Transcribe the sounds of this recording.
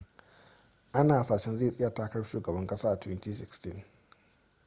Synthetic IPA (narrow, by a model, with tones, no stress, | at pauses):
ʔa˦naː˨saː˨ʃɛ˦nze˦˨sʼɪ˦ja˨taː˦kɐ˦ɽʃuː˨ɡɐ˨bɐ˦ŋkʼɐ˦saː˦ʔa˨twɛ˦ntiː˦sɪ˨kstɪ˦˨n